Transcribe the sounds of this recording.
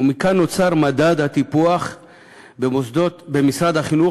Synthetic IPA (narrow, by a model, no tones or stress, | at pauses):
umikanːo̞t͡saʁmad̪ad̪hat̪ipuaχ | beosd̪obemisʁad̪haχinu